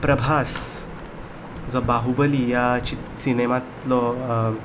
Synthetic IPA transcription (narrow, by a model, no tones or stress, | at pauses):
pɾəbʱas | d͡zɔbaɦubəlijat͡ɕit̪sinemat̪lɔ